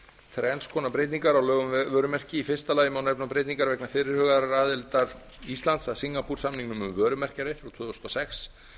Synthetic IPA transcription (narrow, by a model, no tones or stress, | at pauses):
θɾɛnskʰɔːnapɾeːjt̪niŋkaɾawlœːɣʏmvvœːɾʏmɛr̥cɪifɪ̥st̪alaːjɪmawnɛpnapɾeːjt̪niŋkaɾvɛjknafɪːɾɪɾ̥hœːɣaðɾaɾaːðɪlt̪aɾ | ist̪lant̪saðsiŋːapuɾ̥samniŋknʏmʏmvœːɾʏmɛr̥caɾeθɾawt̪ʰʏːðʏst̪ɔsɛxs